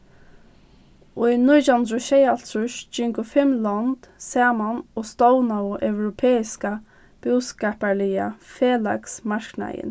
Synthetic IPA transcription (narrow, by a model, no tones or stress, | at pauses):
ʊjnʊjt͡ʃʊnd̪ɾʊʃɛjalsʊʃd͡ʒʏŋkʊfɪmlant̪sɛːmanɔːst̪ɔwnawʊʔœwɾʊpʰɛːɪska | b̥ʊskɛːpalɪja̰feːla̰ksmaɹkna̰ɪ̰n